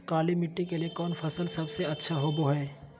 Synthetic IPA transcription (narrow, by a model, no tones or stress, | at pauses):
kaːlimɪʈːikeliekɔːnfʰɐsəlsɐbseɐtːʃʰaɦoːboɦɛː